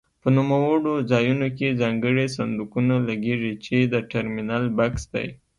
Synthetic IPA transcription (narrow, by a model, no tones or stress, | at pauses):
pənumawəɽozɑjunokezɑŋɡəɽes̬and̪ukunalaɡeʐit͡ʃed̪əʈaɾminalbaksd̪a̰j